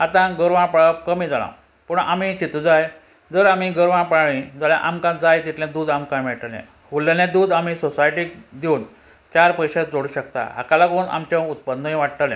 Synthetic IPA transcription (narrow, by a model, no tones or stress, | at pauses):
at̪ãɡəɾʋãpɭakəmiːd͡zalã̰ | pəɳamit͡ɕit̪ud͡zaj | d͡zəɾam̤iɡəɾʋãpaɭĩd͡zalja̰ʔamkãd͡zajt̪it̪lãd̪uːd̪amkãmɛʈəlɛ̰̃ | ɦulːalẽd̪uːd̪amisosajʈikd̪iuːn | t͡ɕaɾpəjɕad͡zoɽuːɕəkt̪a̰ɦakalaɡouna̰mt͡ɕãut̪̚pənːəĩʋaʈʈ̪əlḛ̃